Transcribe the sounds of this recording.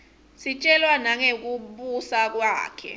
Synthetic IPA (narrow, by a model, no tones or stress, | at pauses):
sit͡ʃʼɛlwanaŋek̬uɓusak̬wa̰ːkʰɛ̰